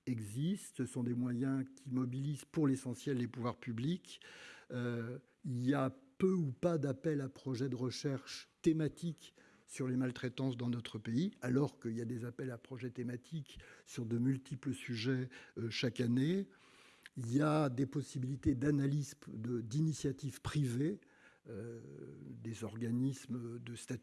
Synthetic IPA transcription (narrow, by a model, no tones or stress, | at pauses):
ɛɡzist̪səsɔ̃d̪emwajɛ̃kʲimɔbilizpuʁlesɑ̃sjɛlːepuvwaʁpyblik | ø | iljapøupad̪apɛlapχɔʒɛd̪əʁəʃɛʁʃt̪emat̪ik | syʁlemalt̪χɛt̪ɑ̃sd̪ɑ̃nɔt̪χəpeialɔʁkəiljad̪ezapɛlapχɔʒɛt̪emat̪ʰiksyʁd̪əmylt̪ipləsyʒɛøʃakane | iljad̪epɔsibilit̪ed̪analizd̪əd̪inisjat̪ivpχive | ø | d̪ezɔʁɡanismd̪əst̪at̪